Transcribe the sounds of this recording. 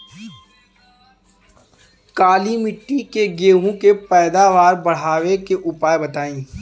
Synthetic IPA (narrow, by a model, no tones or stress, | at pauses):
kaːlimɪʈːikeɡeːɦõkepɛːd̪aːʋaːɾbɐɽ̤aːʋekeʔʊpaːjbɐt̪aːĩː